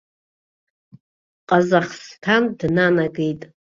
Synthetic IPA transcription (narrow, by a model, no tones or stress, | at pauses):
qʼazaχstʰandnanaɡejtʼ